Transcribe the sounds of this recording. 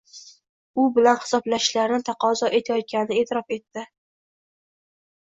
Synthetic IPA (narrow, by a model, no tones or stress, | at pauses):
ʊbɪlanhɪ̥sɒblaʃlaɾnɪt̪ʰɑqʰɒzɒʔe̞t̪ʰajɒt̪̚kʲanɪɪe̞t̪ʰɪɾɒfe̞t̪ːɪ